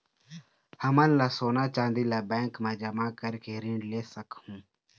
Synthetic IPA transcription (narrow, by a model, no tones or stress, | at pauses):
həmãnlaːsoːnaːt͡ʃãːnd̪iːlaːbɛ̃ːŋkmãːd͡ʒəmaːkəɾkeːɾɪ̃ɳɖleːsəkhũː